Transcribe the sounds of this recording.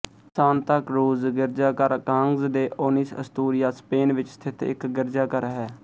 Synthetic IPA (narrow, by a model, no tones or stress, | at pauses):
saːnt̪əkɾoːzɡɪɾd͡ʒaːkəɾkãːŋɡzd̪eːʔoːniːsə̰st̪uːɾɪjaːspeːnʋɪt͡ʃst̪ʰɪt̪ʰɪ̰kɡɪɾd͡ʒaːkəɾɦɛː